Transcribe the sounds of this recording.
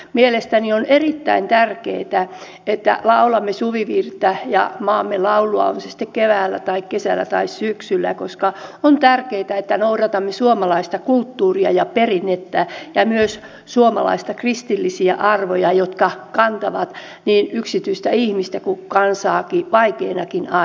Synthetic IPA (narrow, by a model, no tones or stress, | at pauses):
mielest̪ænionerit̪ːæ̰int̪ærkḛit̪æ | et̪ːæ̰lɑulɑmːesuʋiʋirt̪ːæjɑ̰mɑːmːelɑuluɑ̰o̰nsesi̥t̪ːekkeʋæːlːæ̰t̪ɑikkesælːæ̰t̪ɑ̰issyksylːæ̰koskɑont̪ærkeːt̪æet̪ːænouɾɑt̪ɑmːesuomɑlɑist̪ɑkult̪ːuːriɑjɑperinːet̪ːæjɑmyøs | suomɑ̰lɑ̰ist̪ɑkrist̪ilːisiæ̰ʔɑrʋojɑjot̪kɑkɑnt̪ɑʋɑt̪ | niːnyksit̪yist̪æihmist̪ækukɑnsɑːkiʋɑikeːnɑkinɑ